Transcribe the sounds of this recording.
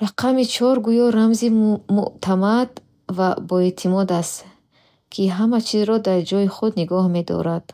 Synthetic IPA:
ɾaqʰamit͡ʃʰɔɾɡujɔɾamzimṵʔt̪ʰamad̪ | vabɔet̪ʰimɔd̪ast̪ | kʰiɦamat͡ʃʰizɾɔd̪aɾd͡ʒɔjiχud̪niɡɔhme̞d̪ɔ̰ɾad̪̥

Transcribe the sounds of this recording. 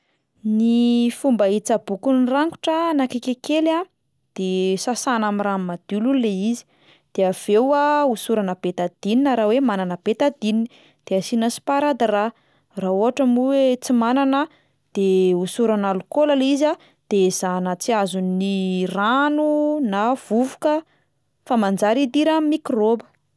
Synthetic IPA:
nifumbait͡sabukunraŋku̥ʈ͡ʂənakekekela | d̪̥esasanamirammad̪̥ulululːeizi̥ | d̪̥eav̥ewausuɾanəb̥et̪ad̪̥ininəɾawemananəb̥et̪ad̪inini | d̪̥easinəsi̥paɾad̪əra | raoɦaʈ͡ʂəmuwet͡simananə | d̪̥eusuɾanalukolaliza | d̪̥ez̥anət͡siazuniranunav̥uvu̥kə | famand͡zaɾid̪iɾamikrobə̥

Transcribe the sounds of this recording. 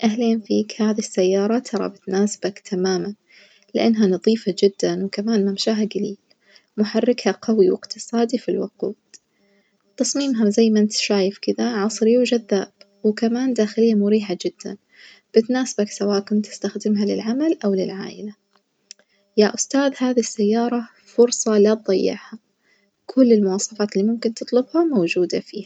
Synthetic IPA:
ʔaɦleːnfiːkhaːðisːajːɑːɾˤɑt̪ʰɑɾˤɑ̰bɪt̪naːsb̥akt̪ʰamaːman | lɪʔanːɦanɑðˤiːfad͡ʒɪd̪ːanwkamaːnmamʃaːɦaɡaliːl | mʊħarˤːɪkhaqawiwɪ̰qt̪ɨsˤɑːd̪ifilwʊquːd̪̥ | t̪ɑsˤmiːmɦazajːmaʔɪnt̪ʃaːjɪfkɪd̪aʕɑsˤɾiwd͡ʒaðːaːb̥ | wkamaːnd̪aːxɪlɪjːamʊɾiːħad͡ʒɪd̪̥ːa̰n | b̥ɪt̪naːsɪbaksawaːʔkʊnt̪ɪ̥st̪axd̪ɪmɦalɪ̰lʕamalʔawlɪlʕa̰ːʔɪla | jaʔʊst̪aːðhaːðisːajːɑːɾˤɑ | fʊɾsˤɑlat̪̚d̪ˤɑjːɪ̰ʕha | kʰʊlːɪlmʊwɑːsˤɑfaːt̪ɪlːimʊmkɪnt̪ɨt̪ˤlʊbhamowd͡ʒuːd̪afiːha

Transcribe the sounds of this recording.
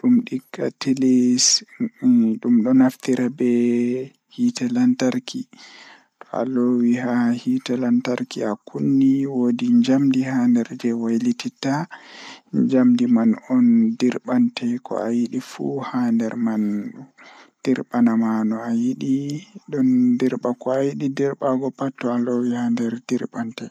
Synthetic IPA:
ɗumɗiɡːatilis | ɗumɗɔnaftiɾabɛ | hitalantaɾkʰi | tɔa̰lowiɦahitalantaɾkiakunːiwodiɲd͡ʒamdihandɛɾd͡ʒɛwajlitita | ɲd͡ʒamdimanɔndiɾɓantɛkɔ̰ajiɗifṵhandɛɾman | d̥iɾɓanamanɔajiɗiɗɔndiɾɓakɔajiɗidiɾɓaɡɔpatːɔalowihandɛɾdiɾɓantɛ

